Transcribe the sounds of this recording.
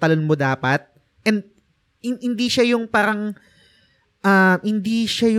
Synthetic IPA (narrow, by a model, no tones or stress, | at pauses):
t̪ɐlonmod̪aːpɐt̪̚ | ʔɛnd̪̚ | hɪnhɪnd̪iʃajʊŋpaːɾɐŋ | ʔɐmhɪnd̪iːʃajʊ